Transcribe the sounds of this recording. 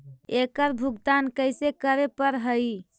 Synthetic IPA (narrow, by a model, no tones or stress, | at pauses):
ekəɾbʱuɡd̪ankəjsekəɾepəɾɦəj